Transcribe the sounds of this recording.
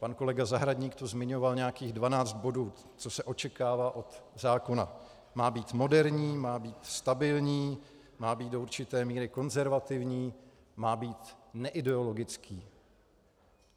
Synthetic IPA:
panko̞lɛɡazaɦɾadɲiːkt̪ozmɪɲo̞valɲɛjakiːɣdvanaːt͡st̪̚bo̞duː | t͡so̞sɛʔo̞t͡ʃɛkaːvaːʔo̞t̪zaːko̞na̰ | maːbiːt̪mo̞dɛɾɲiːmaːbiːt̪st̪abɪlɲiː | maːbiːt̪̚do̞uɾt͡ʃɪt̪ɛːmiːɾɪko̞nzɛɾvat̪ɪvɲiː | maːbiːt̪nɛʔɪdɛo̞lo̞ɡɪt͡skiː

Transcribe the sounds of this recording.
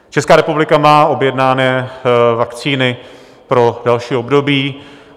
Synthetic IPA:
t͡ʃɛskaːɾɛpublɪkamaːʔo̞bjɛdnaːnɛːvakt͡siːnɪ | pɾo̞dalʃiːobdo̞biː

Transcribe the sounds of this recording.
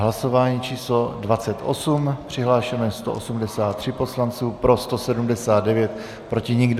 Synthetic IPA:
ɦlaso̞vaːɲiːt͡ʃiːslo̞dvat͡sɛt̪ʔo̞̰sumpr̝̥ɪɦlaːʃɛnɛst̪oʔosumdɛsaːt̪ːr̥ɪpo̞slant͡suːpɾo̞st̪o̞sɛdumdɛsaːd̪̚dɛvjɛt̪ | pɾo̞cɪɲɪɡd

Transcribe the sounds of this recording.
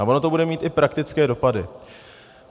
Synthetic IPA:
aʔo̞no̞t̪obudɛmiːt̪ʔɪpɾakt̪ɪt͡skɛːdo̞padɪ

